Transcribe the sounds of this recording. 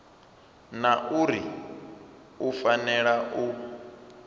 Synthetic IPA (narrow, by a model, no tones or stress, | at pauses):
naʔuɾi | ufanɛɺaʔu